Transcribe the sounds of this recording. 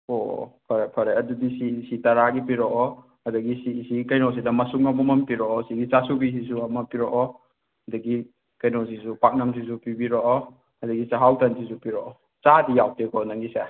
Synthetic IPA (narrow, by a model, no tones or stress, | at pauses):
opʰɐɾepʰɐɾeɐdudisisitɐɾaɡipiɾɔʔɔ | ɐdɐɡisisikɐjnos̬idɐmɐsuŋɐmɐmɐmpiɾɔɔsiɡit͡ʃasubis̬isuɐmɐpiɾɔʔɔ | dɐɡi | kɐjnos̬isupak̚nɐms̬is̬upibiɾɔʔɔ | ɐdɐɡit͡ʃaɦawtɐnsʰisupiɾɔʔɔ | t͡ʃadijawtekɔnaŋɡisa